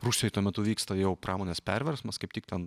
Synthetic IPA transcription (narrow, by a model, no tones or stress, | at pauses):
ruːʃsʲoːjɪt̪uɔmʲɛt̪ʊʋʲiːkst̪ɐjɛʊpɾɑːmoːnʲeːspʲɛɾʲʋʲɛɾsmɐskɐɪptʲɪk̚t̪ʲɛn